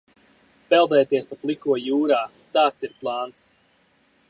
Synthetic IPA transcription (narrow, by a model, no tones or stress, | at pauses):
pɛlˠd̪ɛːt̪iɛspaplˠikuɔjuːɾaː | t̪aːt̪siɾplˠaːnt̪s